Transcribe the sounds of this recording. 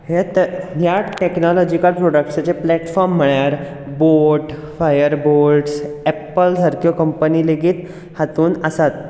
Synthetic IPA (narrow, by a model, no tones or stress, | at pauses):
het̪əɦjaʈeknɔlɔd͡ʑikəlpɾɔɽək̚ʈsat͡ɕeplɛʈfɔɾm̤ːəɭjaɾ | boɾʈ | fajəɾboɾɖsɛpəlsəɾkjokəmpəniːleɡiːt̪ | hat̪uːnəsat̪̚